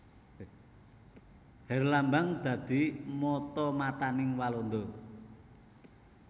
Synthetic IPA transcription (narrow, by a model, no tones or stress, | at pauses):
hɛrlambaŋd̪̥ä̤d̪̥i̤mɔt̪ɔmat̪anɪŋwalɔnd̪ɔ